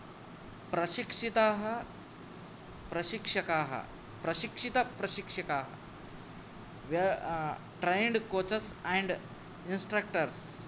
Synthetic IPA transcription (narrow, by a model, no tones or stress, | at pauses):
pɾɐɕikʂit̪aːɦɐ | pɾɐɕikʂɐkaːɦɐ̰ | pɾɐɕikʂit̪ɐpɾɐɕikʂɐkaːɦɐ̰ | ʋ | ʈɾejɳɖkoːt͡ʃɐsɛ̃ɳɖ | insʈɾɐk̚ʈɐɾs